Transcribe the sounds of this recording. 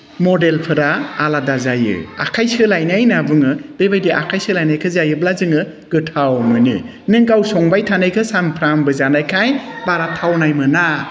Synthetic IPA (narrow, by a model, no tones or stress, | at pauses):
mɔdelpʰɯɾaːladazajɯ̰a̰kʰajsɯlajnajnabuŋɯb̥ebajdiʔakʰajsɯlajnajkʰɯzajɯblazɯŋɯ | ɡɯtʰawmɯnḭ | nɯŋɡawsɔŋbajtʰanajkʰɯsaŋpʰɾambɯzanajkʰajbaɾatʰːawnajmɯna